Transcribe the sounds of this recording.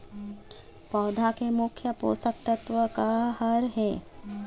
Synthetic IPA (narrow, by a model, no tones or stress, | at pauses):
pɐːd̪ʱakemʊkʰjəpo̰ːsək̚t̪ɐt̪ʋəkaɦɐɾɦɛː